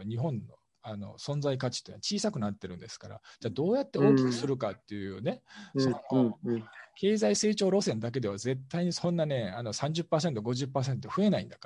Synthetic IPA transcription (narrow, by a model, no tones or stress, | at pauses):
ɲ̟iɦõ̞nːo̞̰ | ano̞̰sõ̞nzaik̬at͡ɕi̥t̪ːeat͡ɕiːsakɯ̟nat̪ːe̞ɾɯ̟̃nd̪esɨ̥kaɾa̰d͡ʑaːd̪o̞ːjat̪ːeo̞ːkʲi̥kɯ̟sɨɾɯ̟kat̪ːe̞ɯne̞sono | kʰe̞ːzaise̞ːt͡ɕo̞ːɾo̞sẽnd̪ak̬e̞d̪e̞βaze̞t̪ːaiɲ̟isõ̞nːane̞ano̞sãɲ̟d͡ʑɨpːaːs̬ent̪o̞ɡo̞ʑɨpːaːs̬ẽ̞nt̪ɸɯ̟e̞naḭ̃nd̪aka